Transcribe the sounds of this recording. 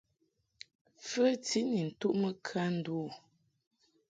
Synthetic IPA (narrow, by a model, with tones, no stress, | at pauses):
fə˦ti˦ni˨n̩˨tu˦ʔmə˦kʰa˦n̩˦˨du˦˨